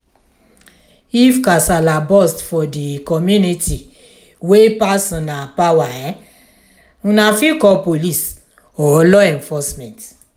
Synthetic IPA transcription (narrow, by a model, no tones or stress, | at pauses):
ifkasalabɔstfɔdikɔmjũnĩti | wepasɔ̃napawaɾɛ̃ | ũnãfĩkɔpolis | ɔɔlɔɛ̃nfɔsmɛ̃nt